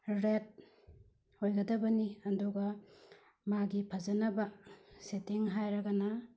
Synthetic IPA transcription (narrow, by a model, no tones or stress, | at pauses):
ɾet̚ | ojɡɐdɐbɐniɐduɡɐ | maɡipʰɐzɐnɐbɐsetiŋɦajɾɐɡɐnɐ